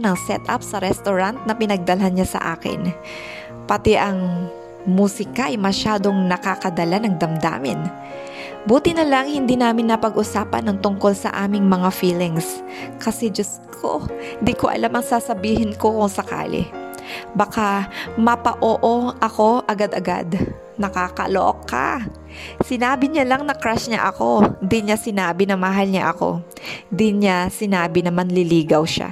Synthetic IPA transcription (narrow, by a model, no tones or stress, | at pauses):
nɐŋsɛ̰t̪ʔa̰psɐɾɛst̪oɾant̪̚nɐpɪnɐɡ̚d̪ɐlɦanɲasɐ̰ʔa̰ːkɪ̰n | pɐt̪ɛʔɐŋ | muːsɪkaʔɐjmɐʃaːd̪o̞ŋnɐkakɐd̪ɐlanɐŋd̪ɐmd̪a̰ːmɪn | buːt̪ɪnɐlaŋhɪnd̪iːnaːmɪnːɐpɐɡʔʊsaːpɐ̰nːɐŋt̪ʊŋko̞lsɐ̰ʔaːmɪŋmɐŋafiːlɪŋs | kɐsɛd͡ʒɐs | kʰo̰hnd̪ikoʔɐ̰lamɐŋsasɐbiːhɪnko̞kʊŋsɐka̰ːlɪ̰ | bɐkamɐpɐʔoːʔo̞ʔɐko̞ʔɐɡad̪ɐɡa̰d̪ | nɐkaːkɐ̰loʔo̰kːa̰ | sɪnaːbɪɲalɐŋnɐkɾaʃɲa̰ʔɐko̞d̪ɪɲasɪnaːbɪnɐmɐɦalɲa̰ʔɐko̞̰ | d̪ɪɲasɪnaːbɪnɐmɐnlɪliːɡɐwʃa̰